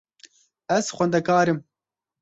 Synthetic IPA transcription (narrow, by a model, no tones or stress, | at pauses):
ɛz̥xʷɛnd̪ɛkaːɾɨm